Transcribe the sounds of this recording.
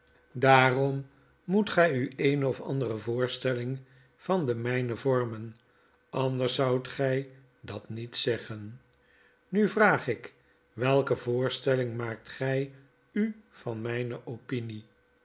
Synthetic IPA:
daːrɔm | mutχɛjyejnɔfɑ̰ndərəvʊːɹstɛlɪŋ | v̥ɑnd̪əmɛjnəvɔɹmən | ɑnd̪əɹsʌwtχɛj | dɑtnitsɛχən | nyvraːχɪk | ʋɛlˠkəvʊːɹstɛlɪŋmaːk̚tχɛj | yv̥ɑnmɛjnəʔopini

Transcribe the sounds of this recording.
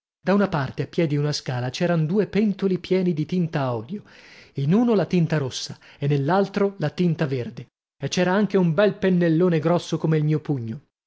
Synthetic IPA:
d̪aunapart̪eapːjɛd̪iunaskaːlat͡ʃɛːɾand̪uːepɛnt̪olipjɛːnid̪it̪int̪aɔːd̪joinuːnolat̪int̪aɾosːaenːelːalt̪ɾolat̪int̪averd̪e | et͡ʃːɛːɾaaŋk̟eumbɛlpenːelːoːneɡɾɔsːokomeilmiːopuɲːo

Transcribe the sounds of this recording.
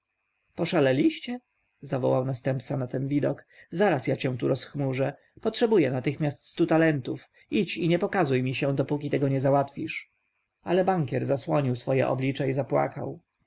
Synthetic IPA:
pɔʂalɛlʲiɕt͡ɕɛ | zavɔ̰wawnast̪ɛmpt̪sanat̪ɛnvʲid̪ɔkzaɾasjat͡ɕɛ̃w̃t̪uɾɔsxmuʐɛ | pɔtʂɛbujɛnat̪ɘxmʲjast̪st̪ut̪alɛnt̪uf | it͡ɕiɲɛpɔkazujmʲiɕɛ̃d̪ɔpukʲit̪ɛɡɔɲɛzawat̪fʲiʂ | alɛbaŋkʲɛɾzaswɔɲiwsfɔjɛ̰ʔɔ̰blʲit͡ʂɛizapwa̰ka̰w

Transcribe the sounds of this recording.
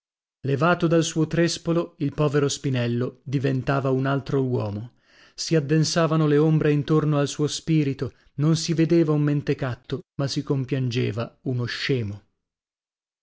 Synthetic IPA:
levaːt̪od̪alsuːot̪ɾespoloilpɔːveɾospinɛlːod̪ivent̪aːvaunalt̪ɾowɔːmo | siad̪ːensaːvanoleombɾeint̪ornoalsuːospiːɾit̪o | nonsived̪eːvaumːent̪ekat̪ːomasikompjand͡ʒḛːvaunoʃːɛːmo

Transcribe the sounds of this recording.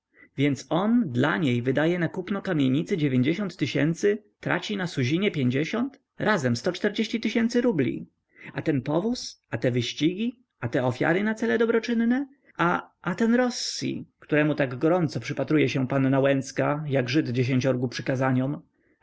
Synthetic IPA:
vʲjɛnt̪sɔnd̪laɲejvɘd̪ajɛnakupnɔkamʲjeɲit̪sɘd͡ʑevʲjeɲd͡ʑeɕɔnt̪ːɘɕɛnt̪sɘt̪ɾa̰t͡ɕinasuʑiɲɛpʲjeɲd͡ʑeɕɔnt̪ | ɾʔazɛmst̪ɔt͡ʂt̪ɛɾd͡ʑeɕt͡ɕit̪ɘɕɛnt̪sɘɾublʲḭ | at̪ɛnpɔvusat̪ɛvɘɕt͡ɕiɡʲi | ʔat̪ɛɔfʲja̰ɾɘnat̪sɛlɛd̪ɔbɾɔt͡ʂɘnːnɛ | ʔaʔat̪ɛnɾɔsːḭkt̪uɾɛmut̪aɡɡɔɾɔnt̪sɔpʂɘpat̪ɾujɛɕɛpanːawɛnt̪skajaɡʐɘd̪d͡ʑeɕ̬eɲt͡ɕɔɾɡupʂɘkazaɲɔm

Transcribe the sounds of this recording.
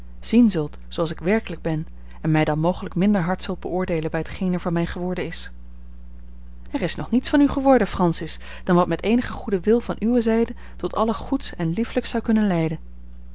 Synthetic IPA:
z̥inzɵlˠt | soɑlˠsɪkʋɛɹkələɡ̚bɛn | ɛnmɛjdɑnmowχələkmɪndəɹɦɑɹtsɵlˠd̚bəʔʊːɹdejlənbɛjətχejnɛɹvɑnmɛjχəʋɔɹdəɪs | ɛɹɪsnɔχnitsfɑnyχəʋɔɹdəfrɑnsɪs | d̥ɑnʋɑtmɛtejnəχəχudəʋɪlˠvɑnʔyʋəzɛjdə | tɔtʰɑləχutsɛnlifləksɑwkɵnənlɛjdən

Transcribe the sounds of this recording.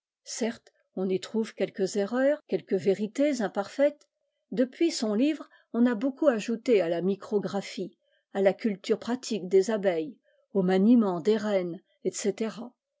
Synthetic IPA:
sɛʁt̪ | ɔ̃nit̪χuv̥kʲɛlkəzeʁœːʁkʲɛlkəveʁit̪ezɛ̃paʁfɛt̪ | d̪əpɥisɔ̃livʁ | ɔ̃nabokuaʒut̪ealamikχɔɡʁafi | alakʲylt̪yʁpχat̪ʰikd̪ezabɛj | omanimɑ̃d̪eʁɛn | ɛt̪set̪eʁa

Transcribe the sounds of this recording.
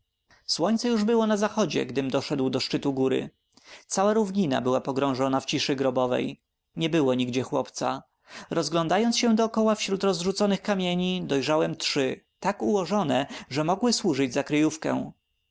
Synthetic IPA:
swɔɲt̪sɛjuʐbɘwɔnazaxɔd͡ʑɛ̰ɡd̪ɘmd̪ɔʂɛd̪wd̪ɔʂt͡ʂɘt̪uɡuɾɘ̰ | t̪sawaɾuvɲina̰bɘwapɔɡɾɔ̃w̃ʐɔnaft͡ɕiʂɘɡɾɔbɔvɛ̰j | ɲɛbɘwɔɲiɡd͡ʑɛxwɔpt̪sa̰ | ɾɔzɡlɔ̃nd̪ajɔnt̪ɕɛ̃d̪ɔːkɔwafɕɾut̪ɾɔzʐut̪sɔnɘxkamʲjeɲid̪ɔjʐawɛmtʂɘt̪akuwɔʐɔnɛʐɛmɔɡwɘswuʐɘd͡ʑzakɾɘjufkɛ̰w̃

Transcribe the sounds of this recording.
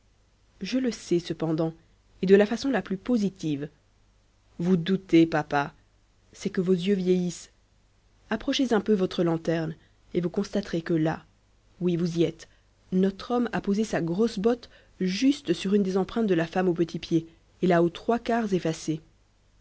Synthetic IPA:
ʒələsɛsəpɑ̃d̪ɑ̃ | ed̪əlafasɔ̃laplypozit̪iv | vud̪ut̪epapa | sɛkəvozjøvjejis | apχɔʃezɛ̃pøvɔt̪χəlɑ̃t̪ɛʁn | evukɔ̃st̪at̪χekəla | wivuziɛt̪ | nɔt̪χɔmapozesaɡʁosbɔt̪ | ʒyst̪əsyʁynd̪ezɑ̃pχɛ̃t̪̚d̪əlafamopət̪ʰipjeː | laot̪χwakaʁzefase

